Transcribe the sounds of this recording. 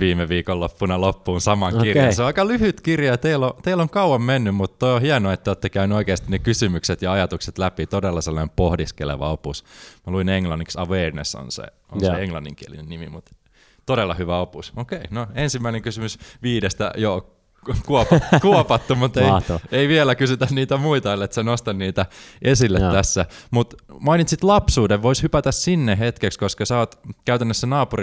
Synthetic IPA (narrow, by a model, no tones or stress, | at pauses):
ʋiːmeʋiːkollopːunɑlopːuːnsɑmɑŋkirjɑseoɑikɑlyhyt̪kirjɑt̪eilot̪eiloŋkɑuwɑmmenːymmut̪ːt̪oiohiɑnoet̪ːæjot̪ːekæynyoikeˑːst̪inekysymykset̪jɑɑjɑt̪ukset̪læpit̪odelːɑselːɑnempohdiskelḛʋɑ̰opusmæluineŋlɑnːiksɑʋeːrneso̰nsḛ | o̰nseeŋlɑnːiŋkiælinennimimut̪ | t̪odelːɑhyʋæopusokeinoensimːæineŋkysymysʋiːdest̪æ̰jo | kuopkuopɑt̪ːumut̪eieiʋielækysyt̪ænniːt̪æmuit̪ɑolet̪senost̪ɑnniːt̪æʔesilːet̪t̪ːæsːæmut̪mɑinit̪sit̪lɑpsuːdeʋʋoishypæt̪æssinːeɦet̪kekskoskɑsæoːt̪kæyt̪ænːøsːænɑːpuri